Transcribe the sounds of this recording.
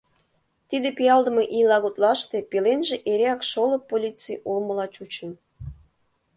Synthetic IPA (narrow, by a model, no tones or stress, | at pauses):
t̪id̪epijɑld̪ə̆mɤʔilɑɣot̪lɑʃt̪epelenʒeʔeɾeɑkʃoləpːolʲit͡sejʔulmə̆lɑt͡ɕut͡ɕə̆n